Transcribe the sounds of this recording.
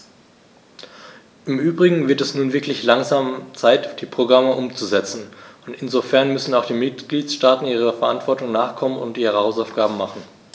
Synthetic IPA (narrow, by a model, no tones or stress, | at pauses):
ʔɪmʔyːbʁɪɡŋ̩vɪɐtɛsnuːnvɪɐklɪçlaŋzaːmt͡saɪtd̥iːpʁ̥oɡʁaməʔʊmt͡suzɛt͡sn̩ʊntɪnzofɛɐnmʏsn̩aʊxd̥iːmɪtɡ̥liːtsʃtaːtn̩iːʁ̞əfɛɐʔantv̥ɔɐtʊŋnaːχkʰɔmənʊ̰ntʔiːʁəhaʊsaʊfɡ̥aːbm̩maχn̩